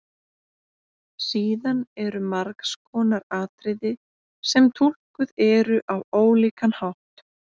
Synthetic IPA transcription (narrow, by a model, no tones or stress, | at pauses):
siːðanɛɾʏmaɾkskʰɔːnaɾaːt̪ɾɪðɪ | sɛmt̪ʰul̥kʏðɛɾʏʔawoːwliːkanhawht̪